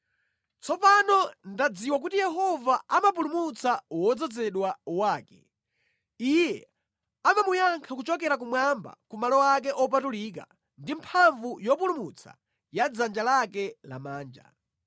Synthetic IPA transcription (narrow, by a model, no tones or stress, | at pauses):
t͡sɔpanɔndad͡ziwak̬utijɛɦɔvaamapulumut͡sawɔd͡zɔd͡zɛɗwawaːkɛ | ijɛ | amamujaŋkʰakut͡ʃɔk̬ɛɾak̬umwamba̰kumalɔwak̬ɛʔɔpatuliːk̬a̰ | ndimpʰaɱvujɔpulumut͡sʰa̰ | jad͡zand͡ʒalakɛla̰maːnd͡ʒa̰